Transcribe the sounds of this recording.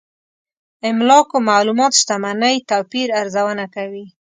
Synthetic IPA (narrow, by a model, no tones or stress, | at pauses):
ɪmlɑkomalumɑt̪ʃt̪amanəjt̪apiɾaɾzawənakawi